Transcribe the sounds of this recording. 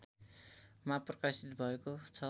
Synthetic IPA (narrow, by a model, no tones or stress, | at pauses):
t̪ | maprʌkasit̪bʱʌekot͡sʰʌ